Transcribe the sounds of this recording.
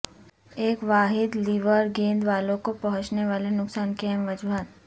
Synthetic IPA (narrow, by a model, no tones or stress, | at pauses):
eːkʋaːɦɪd̪liːʋəɾɡẽːnd̪ʋaːlõkopɐɦʊ̃t͡ʃneʋaːlenʊksaːnkɦɛmʋɐd͡ʒuɦat̪̚